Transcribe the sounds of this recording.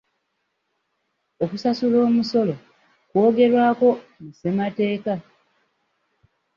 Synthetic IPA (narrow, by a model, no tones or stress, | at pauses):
o̞kusasulo̞ːmuso̞lo | kwo̞ːɡe̞ɾwaːko̞muse̞mate̞ːka